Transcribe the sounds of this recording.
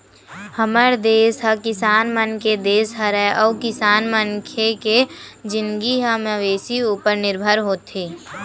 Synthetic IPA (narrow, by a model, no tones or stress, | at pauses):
həməɾd̪eːsɦəkɪsaːnmənked̪eːsɦəɾɛʔɔːkɪsaːnmənkʰeked͡ʒɪ̃nɡiɦəməʋeːsiuːpəɾnɪɾbʱəɾɦoːt̪ʰeː